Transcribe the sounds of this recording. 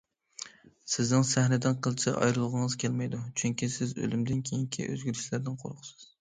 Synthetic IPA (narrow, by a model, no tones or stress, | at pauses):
sɪznɪŋsæhnɪd̪ɪnqʰəlˠt͡ʃʰɛʔɑ̰jɾɨlˠʁəŋəzkʲʰɛlmɛjd̪ut͡ʃʰyŋkʲisɪzø̰lymd̪ɪnkʲʰejiŋkʲʰḭʔø̰zɡʲyɾyʃlæɾd̪ɪnqʰo̰ɾqʰʊ̥sɨz̥